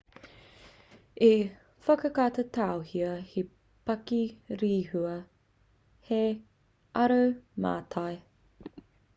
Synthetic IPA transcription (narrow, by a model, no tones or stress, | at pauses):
e | fɐkɐkat̪etʰawhiɐhi | pɐkiɾiːhʉɐ | he | ɐɾɐwma̰ːtʰaj